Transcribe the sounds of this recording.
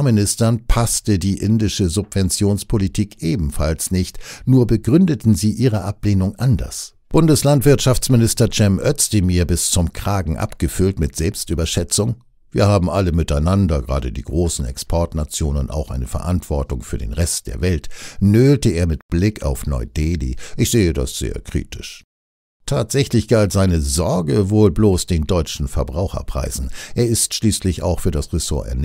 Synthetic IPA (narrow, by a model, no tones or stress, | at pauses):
mɪnɪstɐnpʰastədiːʔɪndɪʃəzʊpv̥ɛnt͡sjoːnspʰolitʰiːkʔeːbm̩falsnɪçtnuːɐbəɡʁʏndətn̩ziːʔiːʁəʔapleːnʊŋʔandɐ̰s | b̥ʊndəslantv̥ɪɐtʃaft͡smɪnɪstɐd͡ʒɛmʔœt͡sd̥ɪmiːɐbɪst͡sʊmkʁ̥aːɡŋ̩ʔa̰pɡ̥əfʏltmɪtz̥ɛlpstʔyːbɐʃɛt͡sʊŋ | viːɐhaːbm̩ʔaləmɪtaɪnandɐɡʁaːdədḭːɡʁoːsn̩ɛ̰kspʰɔɐtnat͡sjoːnənʔa̰ʊxʔaɪnəfɛɐʔantv̥ɔɐtʊŋfyːɐdḛːnʁɛstd̥ḛːɐvɛltnøːltəeːɐmɪtb̥lɪka̰ʊfnɔ̰ʏdeːlḭʔɪçz̥eːəda̰sz̥ḛːɐkʁ̥ḭːtɪ̥ʃ | tʰaːtz̥ɛçlɪçɡ̥altz̥aɪnəzɔɐɡəvoːlbloːsd̥eːndɔʏt͡ʃn̩fɛɐbʁaʊxɐ̰pʁ̥a̰ɪzn̩ʔeːɐɪstʃliːslɪça̰ʊxfyːɐdasʁeso̰ːɐʔɛ̰ɐn